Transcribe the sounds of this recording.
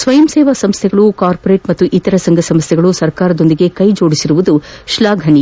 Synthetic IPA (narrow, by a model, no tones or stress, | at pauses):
sʋɐjɐmseːʋɐsɐmst̪ʰɛɡɐɭukaːɾpoɾeːʈmɐt̪ːuʔit̪ɐɾɐsɐŋɡʱɐsɐmst̪ʰɛɡɐɭusɐɾkaːɾɐd̪o̞nd̪iɡe̞kɐjd͡ʒo̞ːɽisiɾuʋud̪uʃlaːɡʱɐɳi